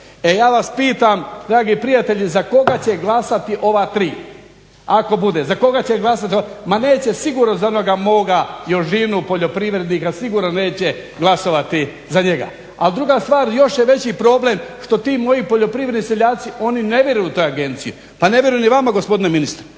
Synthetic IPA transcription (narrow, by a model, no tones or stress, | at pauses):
e̞jaːʋaspiːt̪amd̪ɾaːɡipɾijat̪e̞ʎizako̞ɡat͡ɕeɡlˠasat̪iʔo̞ʋat̪ɾiː | ako̞bud̪ezako̞ɡat͡ɕeɡlˠas̬at̪iomane̞ːt͡ɕe̞siɡuːɾnozaono̞ɡamo̞ːɡajo̞ʃʒinupo̞ʎo̞pɾiʋɾe̞d̪nikasiɡuːɾnone̞ːt͡ɕe̞ | ɡlˠaso̞ʋat̪i | zaɲeɡa̰ | ald̪ɾuɡast̪ʋaːɾjo̞ʃjeʋe̞t͡ɕipɾo̞ːble̞mʃt̪o̞t̪iːmo̞jipo̞ʎo̞pɾiʋɾed̪niseʎaːt̪siʔo̞ːnine̞ʋjeɾujut̪o̞jaɡe̞nt̪sijṵ | pane̞ʋʲjeɾujniʋamaɡo̞spo̞d̪ineminist̪ɾe